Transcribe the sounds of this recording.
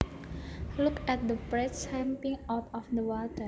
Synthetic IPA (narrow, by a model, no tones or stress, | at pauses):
lukɛt̚d̪əbɹɛtshɛ̃mpĩŋapɔfd̪əwɔtə